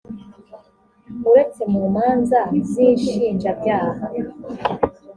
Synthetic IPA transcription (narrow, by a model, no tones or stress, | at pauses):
muɾe̞t͡se̞muːmaːnzaziːnʃiːnd͡ʒabɟaːha